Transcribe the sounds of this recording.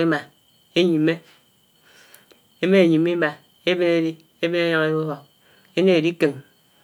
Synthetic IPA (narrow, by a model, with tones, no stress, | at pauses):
e˦ma˨ | e˦ɲi˨me˦ | e˦me˦e˨ɲi˨mi˦ma˨ | e˦be˦ne˦ɾi˦ | e˦be˦e˦ja˦ŋe˦bo˦ho˨k | e˦ne˦e˨di˦ke˨ŋ